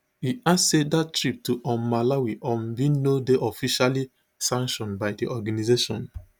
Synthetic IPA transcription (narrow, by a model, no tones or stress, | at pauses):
hiassedatɹip̚tuʔɔ̃malawiʔɔ̃nbinodeʔɔfiʃali | sãŋkʃɔ̃nbaɪdiʔɔɡanizeʃɔ̃n